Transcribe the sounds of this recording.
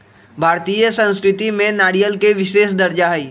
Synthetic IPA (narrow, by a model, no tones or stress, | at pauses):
bʱaːɾt̪ijəsə̃nskɾɪt̪imẽnaːɽijəlkeʋɪʃeːʃd̪ɐɾd͡ʒaɦɛiː